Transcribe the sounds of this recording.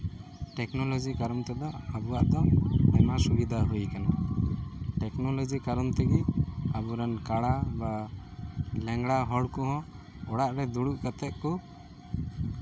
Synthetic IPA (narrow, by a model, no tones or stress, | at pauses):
ʈɛknɔlɔd͡ʒikaɾɔmt̪ɛd̪ɔabuwaʔd̪ɔɛmasubid̪ʱaɦujkana | ʈɛknɔlɔd͡ʒikaɾɔmt̪ɛɡiabuɾankaɽaba | lɛŋɡɽaɦɔɽkɔɦɔ̃ | ɔɽaʔɾɛd̪uɽuʔkat̪ɛt̪̚kɔ